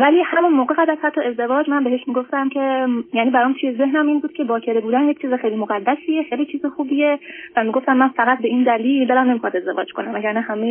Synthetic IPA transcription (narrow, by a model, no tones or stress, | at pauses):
væliːhæmunmoːɣeɣæd̪æz̥hæt̪ʰːɒe̞zd̪e̞vɒːd͡ʒmænbe̞ɦe̞ʃmiɡo̞ft̪æmcʰe̞jæniːbæɾɒmt̪ʰuje̞ze̞ɦnæmiːnbuːd̪̥̚cʰe̞bɒːcʰeɾebuːd̪ænjec̚ʰʲt͡ʃʰiːzexejlimoɣæd̪ːæsijexejlit͡ʃʰiːzexuːbijevæmiɡo̞ft̪æmːænfæɣæt̪̚be̞iːnd̪æliːld̪ɒːɾæmnemixɑd̪e̞zd̪e̞vɒ̰ːd͡ʒkʰonæmæɟæɾnæhæme